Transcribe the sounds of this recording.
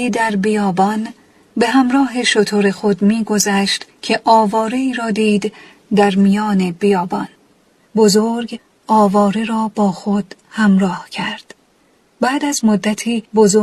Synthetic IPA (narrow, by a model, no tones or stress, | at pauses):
iːd̪æɾbijɒːbɒn | be̞ɦæmɾɒːɦe̞ʃot̪ʰoɾe̞xod̪miːɡo̞zæʃt̪cʰe̞ʔɒːvɒːɾe̞iːɾɒːd̪iːd̪ | d̪æɾmijɒːne̞bijɒːbɒn | bozoɾɡ | ɒːvɒːɾeɾɒːbɒːxod̪̥ | hæmɾɒːhcʰæɾd̪̥ | bæːd̪æzmod̪ːæt̪ʰiːbozo